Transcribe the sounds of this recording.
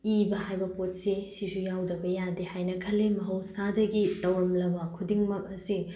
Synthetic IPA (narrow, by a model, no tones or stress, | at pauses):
ibɐhajbɐpot̚sesisujawdɐbɐjadehajnɐkʰɐlːemɐɦɐwsadɐɡitɐwɾɐmlɐbɐkʰudiŋmɐk̚ɐsi